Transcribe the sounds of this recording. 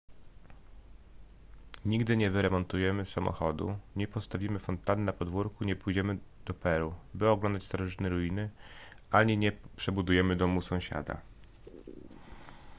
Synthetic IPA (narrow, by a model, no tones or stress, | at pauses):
ɲiɡd̪ɘɲɛvɘɾɛmɔnt̪ujɛmɘsamɔ̰xɔd̪ṵɲɛpɔst̪avʲimɘfɔnt̪anɘnapɔd̪vuɾkuɲɛpujd͡ʑɛmɘd̪̥ɔpɛɾubɘɔɡlɔnd̪at͡ɕʲst̪ɔɾɔʐɘt̪nɛɾujinɘ | aɲiɲɛpʂɛbud̪ujɛmɘd̪ɔmusɔ̃w̃ɕa̰d̪a̰